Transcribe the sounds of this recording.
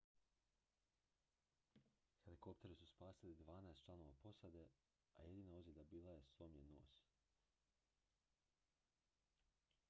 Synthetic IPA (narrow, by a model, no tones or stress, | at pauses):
xe̞liko̞pt̪e̞ɾisuspaːsilid̪ʋaːnaest̪t͡ʃlˠano̞ːʋa̰po̞sad̪e̞ | a̰jed̪iːnaozjed̪abiːlˠaje̞soːmjeno̰ːs